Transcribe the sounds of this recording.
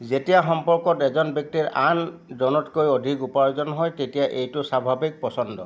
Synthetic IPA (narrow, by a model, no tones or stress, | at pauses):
zetijaxɔmpɔɹkɔtɛzɔnbjɔk̚tiɹandɔnɔtkojodʱikupaɹzɔnɦɔjtetijaʔejtʊsabʱabik̚pɔsɔndɔ